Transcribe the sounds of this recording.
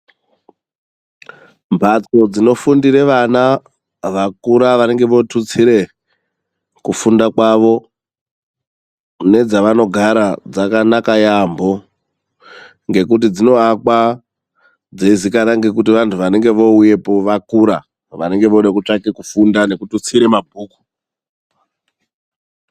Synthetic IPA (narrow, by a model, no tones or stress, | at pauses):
mbʱat͡so̞d͡zino̞fundiɾe̞ʋana | ʋakuɾaʋane̞ŋɡe̞ʋo̞tʰut͡siɾe̞ | kufundakwaʋo̞ | ne̞d͡zaʋano̞ɡʱaɾad͡zakanakajambo̞ | ŋɡe̞kut̬id͡zino̞akwa | d͡zeizikaɾaŋɡe̞k̬utiʋantʰuʋane̞ŋɡe̞ʋo̞uje̞poʋakuɾa | ʋane̞ŋɡe̞ʋoɗakut͡ʂakekufundane̞kutut͡siɾe̞mabʱuːku̥